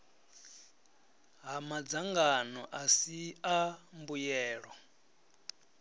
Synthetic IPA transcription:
ɦamad͡zaŋɡanɔʔasiambujɛːɺɔ

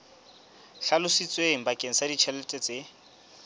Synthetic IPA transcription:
ɬalʊsit͡sʼweŋ̩bakʼeŋ̩sadit͡ʃʰɛlɛtʼɛt͡sʼe

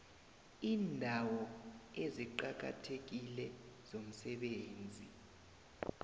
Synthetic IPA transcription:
iːndʱawɔeziǃak̬a̰tʰek̬ilɛz̥om̩sɛɓeːnd͡zʱi

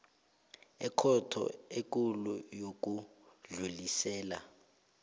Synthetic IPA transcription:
ɛkʰɔtʰɔ̰ek̬ʼulujok̬ʼuɮulisɛːla̰

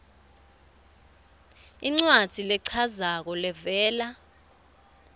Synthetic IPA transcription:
iŋ͡ǀwad̥ʱilɛǀʰazak̬ɔlɛvɛːla

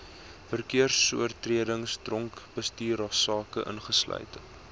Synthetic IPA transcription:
fərkiərsṵərtriədəŋsdrɔŋkb̥əstiːɾɑsɑːkəʔə̰nχəslœ̰ɥt

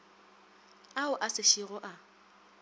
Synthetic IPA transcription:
aʊʔasɪʃiɣʊʔa

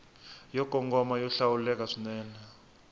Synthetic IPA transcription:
jɔɡ̥ʱɔŋɡɔmajɔɬawulɛk̬ʼaʂinɛːna

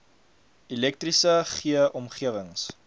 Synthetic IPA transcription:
ilɛk̚trisəχiəʔɔmχiəvəŋs

